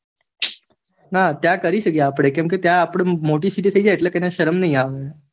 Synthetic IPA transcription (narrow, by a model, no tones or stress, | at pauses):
nat̪jakəɾisəkiapɽekimuk̬it̪jaːpɽemoʈiːsiʈ̬isəid͡ʑaeʈləkanaɕəɾəmnaĩaʋe